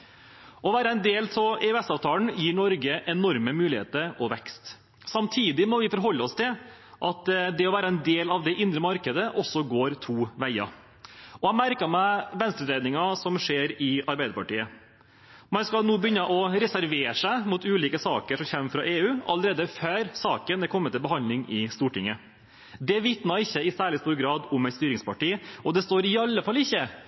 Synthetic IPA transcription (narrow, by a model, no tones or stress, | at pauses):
ʔɔʋæːɾəɛnd̪eːlsɔeʉɛsɑːʋt̪ʰɑːləɳ̩jiːnɔɾɡəʔɛnɔɾməmʉːlɪhḛːt̪əɾɔʋɛkst̪ | sɑmt̪ʰiːd̪ɪmɔʋɪfɔɾɦɔlːəɔst̪ʰɪlʔɑt̪d̪ɛɔʋæːɾəɛnd̪eːlɑʋd̪ɛʔɪnd̪ɾəmɑɾkəd̪əʔɔsːɔɡoːɾt̪ʰuːʋæɪɑ̰ | ɔhæɪmæɾkəmæɪʋɛnst̪ɾəd̪ɾeɪd̪nɪŋɑsɔmʂeːɾɪɑɾbæɪəɾpɑʈiːə | mɑnskɑlnuːbəʏnːəʔɔɾɛsæɾʋeːʂæɪmʊt̪ʉːliːkəsɑːkəʂɔmçɛmːfɾɑ̰ʔeːʉːɑ̰ləɾeːd̪əføːɾsɑːkənɛkʰɔmːət̪ɪlbəɦhɑnd̪lɪŋɪst̪uːʈɪŋːə | d̪ɛʋɪt̪nɑɾɪçːəɪsæːɭɪst̪uːɾɡɾɑːd̪ʊmɛɪt̪st̪yːɾɪŋspɑʈiːɔd̪ɛst̪oːɾɪɑlːəfɑlːɪçːə